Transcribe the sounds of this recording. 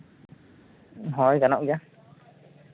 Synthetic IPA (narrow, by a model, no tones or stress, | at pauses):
ɦɔjɡanaʔuja